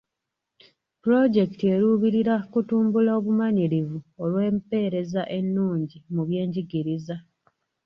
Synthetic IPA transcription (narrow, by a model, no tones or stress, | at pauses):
puɾo̞ɟe̞ki̥tie̞ɾuβiɾiɾakutuːmbulaoːβumaɲiɾivuo̞lwe̞ːmpe̞ːɾe̞zaʔe̞nːuːɲɟimuβje̞ːɲɟiɡiɾiza